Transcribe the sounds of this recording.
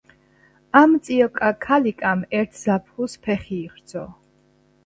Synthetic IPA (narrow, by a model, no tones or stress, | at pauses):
amt̪sʼiɔkʼakʰalikʼamɛɾt̪ʰzapʰχuspʰɛχiːʁɾd̪zʰɔ